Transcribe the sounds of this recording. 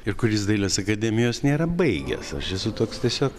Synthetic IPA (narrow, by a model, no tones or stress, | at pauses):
ɪɾkʊɾʲɪːsd̪ɐɪlʲɐsɐkɐd̪ʲɛmʲɪjoːsnʲeːɾɐbɐɪɡʲɛ̰sɐ̰ʃjɛsʊt̪oːkst̪ʲiɛsʲoːk